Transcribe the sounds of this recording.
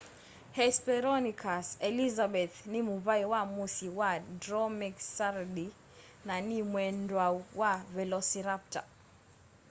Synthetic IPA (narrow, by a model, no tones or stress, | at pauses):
hɛspɛɾɔnikʰasɛlizabɛθnimuβaiwamusiwadɾɔmiksaɾdi | nanimwɛndwauwavɛlɔsiɾap̚ta̰